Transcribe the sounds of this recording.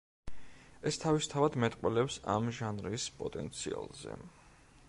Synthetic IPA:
ɛst̪ʰavist̪ʰavad̪mɛt̪ʼqʼwɛlɛpsamʒanɾispʼɔt̪ʼɛnt̪sʰia̰lˠzɛ̰

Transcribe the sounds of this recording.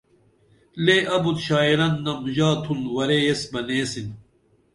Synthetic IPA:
leʔɐbut̪ɕaːiɾɐnːɐmʑaːt̪ʰunwɐɾejesbɐneːsin

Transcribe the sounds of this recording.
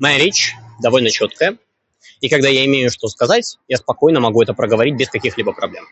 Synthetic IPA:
mɐjaɾʲet͡ɕd̪ɐvo̞lʲnət͡ɕo̞t̪kəjə | ikɐɡd̪ajaɪmʲejʊʂt̪o̞skɐzatʲjaspɐko̞jnəmɐɡuɛt̪əpɾəɡəvɐɾʲit̚ʲbʲɪskɐkʲixlʲibəpɾɐblʲem

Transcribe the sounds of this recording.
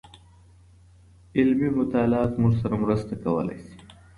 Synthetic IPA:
ɪlmimʊt̪aːlɑːt̪mʊʐsaɾamɾəst̪akɐwə̰la̰jsi̥

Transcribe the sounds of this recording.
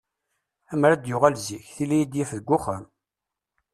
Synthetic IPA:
æmɾæd̪jʊʁælziçθilijid̪jæfðəɡʷːʊχəm

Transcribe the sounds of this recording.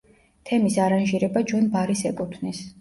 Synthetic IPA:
t̪ʰɛmisaɾanʒiɾɛbat͡ʃʰwɛnbaɾisɛkʼut̪ʰvnis

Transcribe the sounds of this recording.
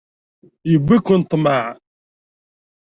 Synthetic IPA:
jəbːikːʊnt̪ˤːmaʕ

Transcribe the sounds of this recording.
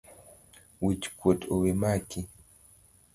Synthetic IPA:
wit͡ʃkwotowimaki

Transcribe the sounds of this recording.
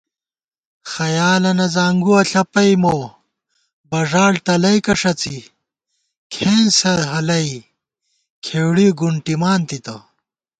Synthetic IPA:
xɐjaːlɐnɐzaːŋɡuɐɬɐpɐjmoː | bɐʐaːɽt̪ɐlɐjkɐʂɐt͡si | kʰeːnsɐɦɐlɐj | kʰeːwɽiɡuɳʈimaːnt̪it̪ɐ̰

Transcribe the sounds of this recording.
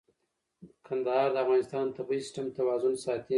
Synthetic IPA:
d̪əkʰand̪ahɑɾd̪əafɣɑnɪst̪ɑnt̪abisɪ̥ʈamt̪awɑzʊnsɑt̪i

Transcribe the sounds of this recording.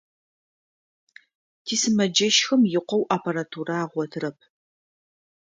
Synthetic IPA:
tʰiːsɨmɐd͡ʒɐʃxɐmjɪqʷɔwʔaːpʰɐɾatʰuɾaːʁʷɔtʰrɐp̚ʰ

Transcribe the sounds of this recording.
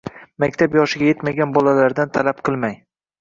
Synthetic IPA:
makʲt̪ʰapjɒʃɪɡʲaje̞t̪maɡʲanbɒlalaɾd̪ant̪ʰalapqʰɨlˠmaj

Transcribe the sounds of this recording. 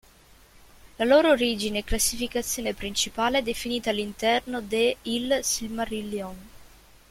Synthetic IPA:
laloːɾoːɾiːd͡ʒineːklasːifikat̪sːjoːnepɾint͡ʃipaːleɛd̪ːefiniːt̪alːint̪ɛrnod̪eilsilmarilːiɔn

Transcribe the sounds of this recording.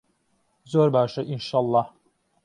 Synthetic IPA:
zoɾbaʃɯʔinʃalˠːɑh

